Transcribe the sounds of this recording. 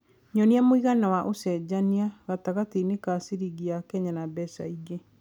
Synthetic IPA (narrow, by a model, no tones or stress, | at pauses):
ɲɔniamoiɣanawaʔosɛd͡ʒaniaɣataɣatinekasiɾiɣiakɛɲanabɛsaiɡe